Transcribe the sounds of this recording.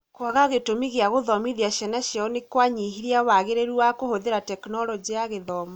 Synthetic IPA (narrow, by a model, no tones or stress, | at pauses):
kwaɣaɣetomiɣeaɣoðɔmiðiaʃɛnaɕjɔnekwaɲiɦiɾiawaɣeɾeɾuakohoðeɾatɛknɔɾɔd͡ʒiaɣeðɔma